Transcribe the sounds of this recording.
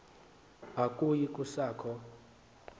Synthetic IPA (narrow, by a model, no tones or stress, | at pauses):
akʼujikʼusaːkʰɔ